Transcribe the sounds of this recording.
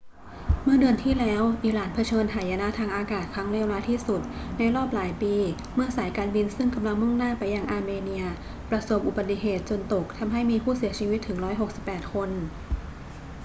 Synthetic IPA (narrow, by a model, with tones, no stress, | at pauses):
mɯ˥˩ɐdɯ˧ənt̪ʰiː˥˩lɛː˦˥wʔiː˨˩laː˩˦npʰa˧t͡ɕʰɤː˧nɦaː˨˩˦jaː˧na˦˥t̪ʰaː˧ŋʔaː˧kaː˨˩t̪̚kʰɾa˦˥ŋɾeː˥˩wlaː˦˥t̪ʰiː˥˩su˨˩t̪̚na˧jɾɔː˥˩p̚laː˨˩˦jpiː˧ | mɯ˥˩ɐsaː˩˦jkaː˧nbi˧nsɯ˥˩ŋka˧mla˧ŋmu˥˩ŋnaː˥˩pa˧jːa˧ŋʔaː˧meː˧ni˧ɐ | pɾa˧so˨˩˦p̚ʔu˨˩ba˨˩t̪ːi˨˩ɦeː˨˩t̪̚t͡ɕo˧nt̪o˨˩k̚t̪ʰa˧mɦa˥˩jmiː˧pʰuː˥˩si˨˩˦t͡ɕʰiː˧wi˦˥t̪ʰːɯ˩˦ŋɾɔː˦˥jɦo˨˩k̚si˨˩pːɛː˨˩t̪̚kʰo˧n